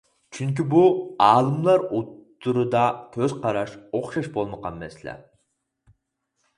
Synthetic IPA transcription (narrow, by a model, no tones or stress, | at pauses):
t͡ʃʰyŋkʲibuɑːlˠɨmlˠɑɾut̪ːuɾɨd̪ɑkʲʰøz̥qʰɑɾɑʃoχʃɑʃbolˠməqɑnːɛ̰slɛ̰